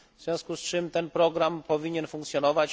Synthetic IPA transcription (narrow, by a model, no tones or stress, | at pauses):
vz̥ʲjɔ̃w̃skust͡ʂɘmt̪ɛnpɾɔɡɾampɔvʲiɲɛnfuŋkt̪sʲjɔnɔvat͡ɕ